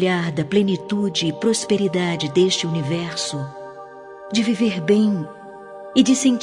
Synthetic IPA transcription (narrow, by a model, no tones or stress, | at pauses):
ʎaɾd̪ɐplẽnit̪ud͡ʒɪːpɾospeɾid̪ad͡ʒɪd̪eʃt͡ʃɪunivɛɾsʊ | d͡ʒɪviveɾbẽj̃ | ɪd͡ʒɪsẽnt͡ʃ